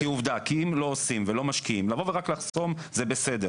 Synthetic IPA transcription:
kiuvd̪akiimlo̞osimvelo̞maʃkiimlavo̞veʁaklaχso̞m | zebesed̪e

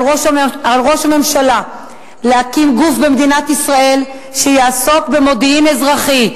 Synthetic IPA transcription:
oʃaalʁo̞ʃame̞mʃala | leakimɡufbemed̪inat̪isʁae̞l | ʃejaːso̞kbe̞mo̞d̪iimezʁaχi

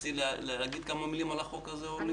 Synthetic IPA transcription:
illaɡid̪̚kamamilimalaχokazeni

